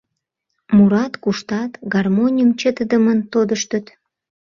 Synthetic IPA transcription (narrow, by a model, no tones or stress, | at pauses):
muɾɑt̪kuʃt̪ɑt̪ɡɑrmonʲijəmt͡ɕət̪əd̪əmənt̪od̪əʃt̪ət̪